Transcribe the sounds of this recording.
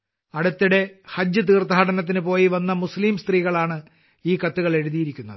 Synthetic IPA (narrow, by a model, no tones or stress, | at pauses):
ɐɽut̪ːiɽe̞hɐd͡ʑːɨt̪iːrt̪ɐhɐɽɐnɐt̪̬ːinɨpo̞ːjiʋɐnːɐmusliːmst̪riːɣɐɭaːɳɨ | iːkɐt̪ːuɣɐɭe̞ɻuðijiɾikʲːunːɐðɨ